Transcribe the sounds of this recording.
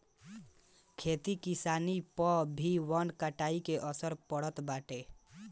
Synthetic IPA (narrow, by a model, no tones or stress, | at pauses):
kʰet̪ikisanipɔbʱiwənkaʈaikeʔəsəɾpəɽət̪baʈe